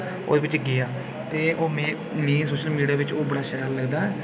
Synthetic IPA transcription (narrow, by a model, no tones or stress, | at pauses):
o̰ːd̪eːʋɪt͡ʃɡɪjaː | t̪eːʔoːmɛ̃ː | mĩːsoːʃəlmiːɖijaːʋɪt͡ʃoːbəɽaːʃəɾaːlləɡd̪aːɛː